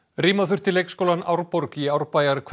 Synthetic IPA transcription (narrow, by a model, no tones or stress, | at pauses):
riːmaθʏr̥t̪ʰɪlːejkskowlanʔa̰wɾpɔɾkiawɾpaːjaɾkʰ